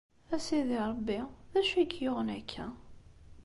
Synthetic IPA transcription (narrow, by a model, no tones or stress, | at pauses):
æsiðiɾˤəbːiðæʃæɡjʊʁnækʰːæ